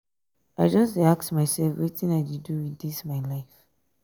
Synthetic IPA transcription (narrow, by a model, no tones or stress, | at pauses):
aɪd͡ʒʌstɹiak̚tmaɪsɛlfiθĩŋaɪdiduwiðismaɪlaɪf